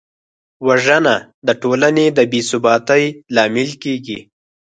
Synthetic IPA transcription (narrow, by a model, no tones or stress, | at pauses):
waʒəna | d̪əʈolaned̪əbisʊbɑːt̪əjlɑmɪlkeɡḭ